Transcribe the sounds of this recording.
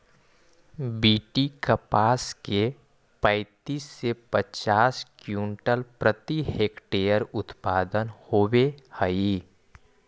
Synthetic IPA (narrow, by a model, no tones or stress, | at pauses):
biːʈikəpaːske | pə̃ɪt̪iːsːepət͡ʃaːskjũːɳʈəlpɾət̪iheːkʈeːjəɾʊt̪paːd̪ənhoːwehəi